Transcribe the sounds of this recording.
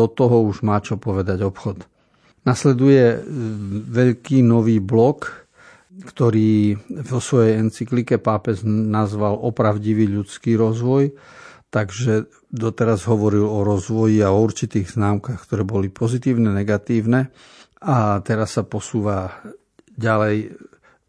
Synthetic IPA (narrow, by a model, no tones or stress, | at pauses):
ɔt̪ɔɦɔuʒmaːt͡ʃɔpɔʋɛd̪aɟɔpxɔt̪ | naslɛd̪ujɛ | ʋɛʎkiːnɔʋiːblɔk | kt̪ɔɾiːvɔsʋɔjɛjɛnt͡siklikɛpaːpɛznazʋalɔpɾaʊɟiʋiːʎut͡skiːɾɔzʋɔjt̪aɡʒɛ | d̪ɔt̪ɛɾazɦɔʋɔɾilɔɾɔzʋɔjiaɔuɾt͡ʃit̪iːɣznaːmkaxkt̪ɔɾɛːbɔlipɔzit̪iːʊnɛnɛɡat̪iːʊnɛ | at̪ɛɾasːapɔsuːʋa | ɟalɛj